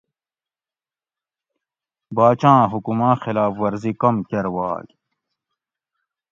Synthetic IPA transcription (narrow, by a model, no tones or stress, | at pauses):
baːt͡ɕãːɦukumãːxilaːfwɐɾzikɐmkɐɾwa̰ːɡ